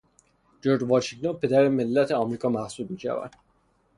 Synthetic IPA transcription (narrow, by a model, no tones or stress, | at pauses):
d͡ʒoɾd͡ʒvɒːʃiŋɡt̪ʰonpʰe̞d̪æɾeme̞lːæt̪ʰeɒmɾiːkʰɒːmæhsub̪̚miːʃæ̰væ̰d̪̥